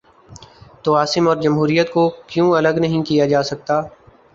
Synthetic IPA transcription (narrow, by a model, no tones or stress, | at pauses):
t̪oaːsɪmɔːɾd͡ʒɐmɦuːɾijət̪kokjũːɐləɡnɐɦĩkijad͡ʒaːsɐk̚t̪aː